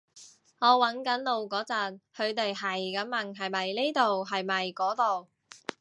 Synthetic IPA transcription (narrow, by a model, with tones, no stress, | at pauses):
ŋɔː˨˧wɐ˨˥nkɐ˨˥nlo˨˧wkɔː˨˥t͡sɐ˨nhɵ˨˧ɥt̪e˨jhɐ˨˩jkɐ˨˥mmɐ˨˩ŋɦɐ˨jmɐ˨jneː˥t̪o˨wɦɐ˨jmɐ˨˩jkɔː˨˥t̪o˨w